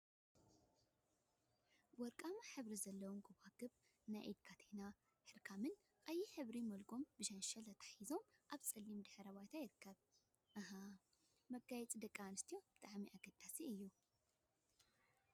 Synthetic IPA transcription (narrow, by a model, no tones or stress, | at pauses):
wɔɾkʼamaħɨβɾizɐlːɐwumɡoβaɡɨβ | najʔid̪̚kʰat̪ʰena | ħɨɾkʰamɨn | kʼajiħɨβɾimɐlɡo̞mbɨʃɐnʃɐlɐt̪ʰḁħizo̞mʔaβt͡sʼɐlːimd̪ɨħɾɐβajt̪ʰajɪɾɨkʰːɐβ | ʔɐɦɐ | mɐɡajɛt͡sʼid̪ɐkʼːanɨst̪ʰijo̞b̥ɨt̪ʼaʕmiʔaɡɐd̪̥asiɨjːu